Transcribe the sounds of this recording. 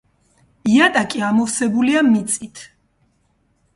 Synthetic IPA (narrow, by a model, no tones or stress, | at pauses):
iat̪ʼakʼiamɔfsɛbuliamit̪sʼit̪ʰ